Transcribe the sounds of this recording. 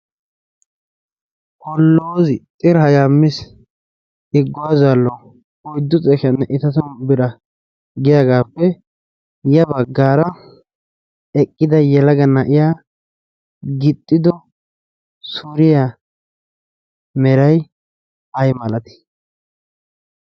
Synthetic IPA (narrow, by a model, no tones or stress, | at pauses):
hɔlːoːzɪt̪ʼɪɾhɐjaːmːɪs | ɪɡːʊwaːzalːɔ | ɔjd̪ːʊt͡sʼɛʃɐnːɛʔɪt̪ɐt̪ɔnbɪɾɐ | ɡɪjaɡaːpːɛ | jɐbɐɡːaːɾɐ | ɛkʼːɪd̪ɐjɛlɐɡɐnɐʔɪjaː | ɡɪt̪ʼːɪd̪ɔ | suɾɪja | mɛɾɐj | ɐjmɐlɐt̪ɪ̥